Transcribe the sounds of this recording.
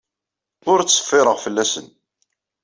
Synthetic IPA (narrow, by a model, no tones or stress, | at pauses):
ʊɾt͡sːə̥fːɪɾˤəʁfəlːæsən